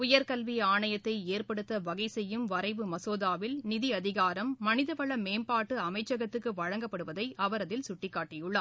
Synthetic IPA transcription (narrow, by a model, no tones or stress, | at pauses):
ʊjɐɾkɐlʋiaːɳɐjɐt̪ːɐɪeːrpɐɽɯt̪ːɐʋɐɣɐɪsɛjːɯmʋɐɾɐɪʋɯmɐsoːðaːʋɪlnɪðiɐðɪɣaːɾɐmːɐnɪðɐʋɐɭɐmeːmpaːʈːɯɐmɐɪt͡ʃːɐɣɐt̪ːɯkːɯʋɐɻɐŋɡɐpːɐɽɯʋɐðɐɪʔɐʋɐɾɐðɪlsʊʈːɪkːaːʈːɪjɯɭːɐ